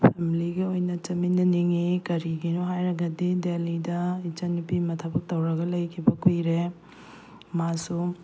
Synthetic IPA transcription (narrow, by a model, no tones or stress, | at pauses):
pʰemiliɡiojnɐt͡ʃɐminɐniŋikɐɾiɡinuɦajɾɐɡɐdidelidɐit͡ʃɐnipimɐtʰɐbɐk̚tɐwɾɐɡɐlɐjkʰibɐkʰujɾe | masu